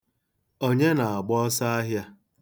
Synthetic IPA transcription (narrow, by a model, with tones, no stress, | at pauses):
o˦ɲe˦na˨a˨ɡ͡bɔ˦sa˦a˦ɦja˦